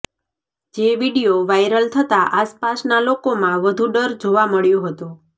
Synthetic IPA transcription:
d͡ʒeʋiɽijoʋajɾəlt̪ʰət̪aʔaspasnalokomãʋəd̪ʱuɖəɾd͡ʒoʋaməɭjoɦət̪o

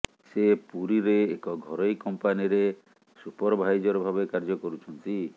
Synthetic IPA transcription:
sepuɾiɾeːkɔɡʱɔɾɔjkɔmpaniɾe | supɔɾɔbʱajd͡ʒɔɾɔbʱabekaɾd͡ʒɔkɔɾut͡ʃʰɔnt̪i

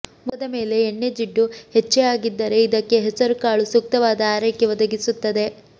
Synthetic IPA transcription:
mɔd̪ɐme̞ːle̞ːɳːe̞d͡ʒiɖːuhet͡ʃːeaːɡid̪ːɐɾe̞id̪ɐkːe̞ɦɛsɐɾukaːɭusuk̚t̪ɐʋaːd̪ɐaːɾɐjkjɐʋɐd̪ɐɡisut̪ːɐd̪e̞

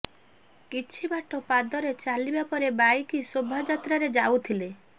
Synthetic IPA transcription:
kit͡ʃʰibaʈɔpad̪ɔɾet͡ʃalibapɔɾebajkisobʱad͡ʒat̪ɾaɾed͡ʒaut̪ʰile

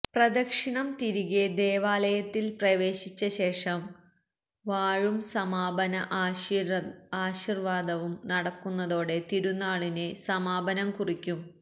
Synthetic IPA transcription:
prɐd̪ɐkʂiɳɐmt̪iɾuɣed̪e̞ːʋaːlɐjɐt̪ːilprɐʋe̞ːɕit͡ɕːɐɕe̞ːʂɐm | ʋaːɻumsɐmaːbɐnɐʔ | aːɕirʋaːd̪ɐʋumnɐɽɐkːunːɐðo̞ːɽe̞t̪iɾunːaːɭinesɐmaːbɐnɐmkurikʲːum

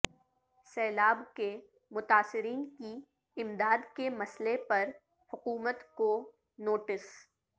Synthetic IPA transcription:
sɛːlaːbke | mʊt̪aːsɪɾiːnki | ɪmd̪aːd̪kemɐslepɐɾ | hʊkuːmət̪ko | noːʈɪs

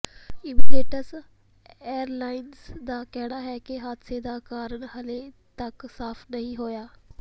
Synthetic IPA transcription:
ɪmiːdeːʈəs | ɛːɾlaːɪnsd̪aːkɛːɽaːɦɛːkɪɦaːd̪seːd̪aːkaːɾəɳɦəleːt̪əksaːpʰnəĩːɦoːjaː

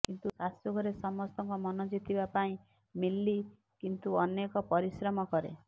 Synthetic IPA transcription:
kint̪usasjɔɡʱɔɾesɔmɔst̪ɔŋkɔmɔnɔd͡ʒit̪ʰibapaĩ | milːi | kint̪uɔnekɔpɔɾisɾɔmɔkɔɾḛ

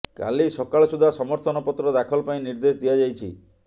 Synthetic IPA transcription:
ka̰lisɔkaɭɔsud̪ʱasɔmɔɾt̪ʰɔnɔpɔt̪ɾɔd̪akʰɔlɔpaĩniɾd̪esd̪ijad͡ʒajt͡ʃʰḭ

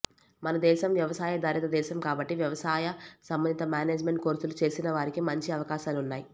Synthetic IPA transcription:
mɐnɐd̪ɛːʃɐmʋjɐʋɐsaːjɐd̪aːɾit̪ɐd̪ɛːʃɐmkaːbɐʈːiʋjɐʋɐsaːjɐsɐmbɐnd̪it̪ɐmaːneːd͡ʒme̞ɳʈ̚ko̞ːɾsulut͡ʃe̞ːsinɐʋaːɾikimɐɲt͡ʃiɐʋɐkaːʃaːlunːaːji

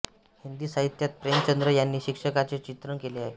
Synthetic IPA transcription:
hind̪iːsaɦit̪jat̪̚pɾemt͡ɕənd̪ɾəjanːiːɕikʂəkat͡set͡ɕit̪ɾəŋkeleaɦe

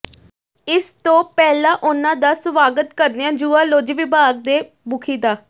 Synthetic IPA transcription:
ɪst̪õːpɛːlãːʔʊnãːd̪aːsʋaːɡət̪kəɾneãːd͡ʒuːaːloːd͡ʒʋɪbaːɡ̚d̪eː | bʊkʰiːd̪aː

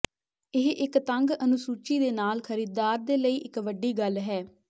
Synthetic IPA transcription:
ɪɦʔɪkt̪əŋɡənʊsuːt͡ʃiːd̪eːnaːlkʰəɾiːd̪aːɾd̪eːləiːʔɪkʋəɖːiːɡəlɦɛː

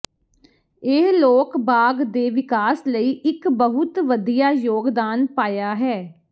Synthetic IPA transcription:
ɪɦloːkbaːɡd̪eːʋɪkaːsləiːʔɪkbəɦʊt̪ʋəd̪ijaːjoːɡd̪aːnpaːjaːɦɛː

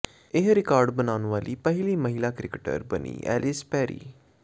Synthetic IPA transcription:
ɪɦɾɪkaːɾɖbənaːnʋaːliːpɛɦɪliːməɦilaːkɾɪkəʈə̰ɾbənḭːʔɛ̰ːlɪspɛːɾḭː

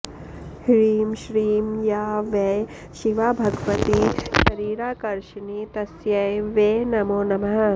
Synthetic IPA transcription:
hɾiːmʃɾiːmjaːʋɐj | ʃiʋabʱɐɡʋɐt̪iʃɐɾiːɾaːkɐɾʃinit̪ɐsjɐjʋeːnɐmoːnɐmɐɦɐ

